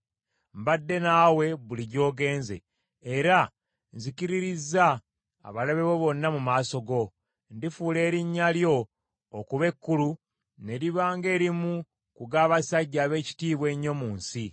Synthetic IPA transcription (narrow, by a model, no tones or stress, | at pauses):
mbadːe̞naːwe̞βuliɟo̞ːɡe̞ːnze̞̰ː | ɾa | nziciɾiɾizːa̰ː | βalaβe̞βo̞βo̞nːamumaːso̞ɡo̞ | ndifuːle̞ːɾiɲːaljo̞ː | kuβe̞kːulu | ne̞ɾiβaːŋɡe̞ːɾimu | kuɡaːβasaɟːaːβe̞ːci̥tiːβwe̞ɲːo̞muːnsi